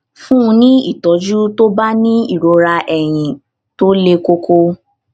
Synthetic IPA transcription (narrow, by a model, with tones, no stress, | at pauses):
fũ˦ũ˧nĩ˦i˦˨tɔ˨˦d͡ʒu˦to˦ba˦nĩ˦i˦˨ɾo˨˧ɾa˧ʔɛ˨j̃ĩ˧ | to˦le˦ko˦ko˦